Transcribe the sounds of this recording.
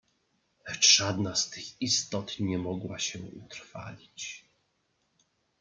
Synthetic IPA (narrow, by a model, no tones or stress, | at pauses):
lɛt͡ʂʐad̪nast̪ɘxist̪ɔt̪ɲɛmɔɡwaɕɛṵt̪ɾfa̰lʲit͡ɕ